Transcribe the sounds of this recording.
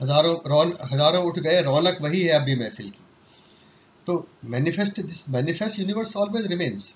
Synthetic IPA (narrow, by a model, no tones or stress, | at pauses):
ɦɐzaːɾõɾɔːnɦɐzaːɾõʊʈʰɡɐeɾɔːnəkʋɐɦiɦɛɐbʱimɛ̃fɪlki̥ | t̪oːmɛːnɪfɛsʈd̪ɪsmɛːnɪfɛsʈjuːnɪʋəɾsɔːlʋeːzɾɪmẽːnz